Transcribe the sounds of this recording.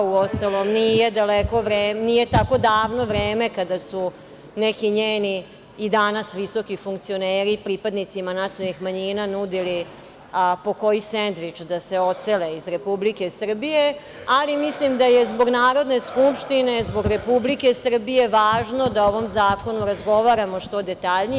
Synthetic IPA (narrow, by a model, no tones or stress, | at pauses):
uost̪alomnijed̪aleko̞ʋɾeːnije̞t̪ako̞d̪aːʋno̞ʋɾeːme̞kad̪asu | nekiɲeːniː | d̪anasʋiso̞kifuŋkt̪sio̞neːɾipɾipad̪nit̪simanat̪ionixmaɲiːnanud̪ili | po̞ko̞jisend̪ʋit͡ʂd̪ase̞o̞t̪seleizɾe̞publike̞sr̩bije̞ | alimislimd̪ajezbo̞ɡnaːɾo̞d̪ne̞skupʃt̪inezbo̞ɡɾe̞publike̞sr̩bije̞ʋaːʒno̞d̪aoʋo̞mzaːko̞nuɾazɡo̞ʋaɾamo̞ʃt̪o̞d̪e̞t̪aʎni